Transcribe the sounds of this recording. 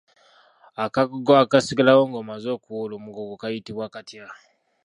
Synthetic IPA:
akaɡoɡoakasiɡalawoŋɡomazokuwolomuɡoɡokajitiβwakatija

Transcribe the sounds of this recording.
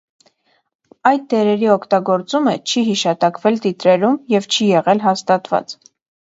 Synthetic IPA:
ɑjt̪̚d̪ɛɾɛɾiɔkʰt̪ɑɡɔɾt͡sumət͡ʃʰiɦiʃɑt̪ɑkvɛlt̪it̪ɾɛɾumjɛvt͡ʃʰijɛʁɛlɦɑst̪ɑt̪vɑ̰t͡s

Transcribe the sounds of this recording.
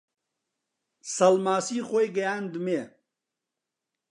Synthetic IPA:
sɐlmaːsiːχojɡɐjaːnd̪ume

